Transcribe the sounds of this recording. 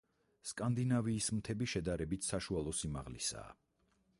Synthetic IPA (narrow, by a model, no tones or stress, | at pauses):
skʼand̪inaviːsmt̪ʰɛbiʃɛd̪aɾɛbit̪ʰsaʃualˠɔsima̰ʁlḭsa̰ː